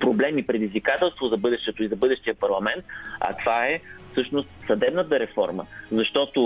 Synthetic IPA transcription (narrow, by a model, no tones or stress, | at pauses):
pɾoblɛmipɾɛd̪izvikat̪ɛlˠst̪vozɐbɤd̪ɛʃt̪ɛt̪ʊizɐbɤd̪ɛʃt̪ijəpɐɾlˠɐmɛnt̪̚ɐ̰t̪ovaɛfsɤʃnost̪sɐd̪ɛbnət̪əɾɛfɔ̰ɾmə̰zɐʃt̪ɔt̪ʊ